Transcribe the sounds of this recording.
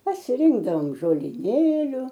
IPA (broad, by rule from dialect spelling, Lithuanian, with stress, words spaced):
pɐsʲɪˈrʲɪŋɡdɐʋoːm ʒoːlʲɪˈnʲeːlʲʊ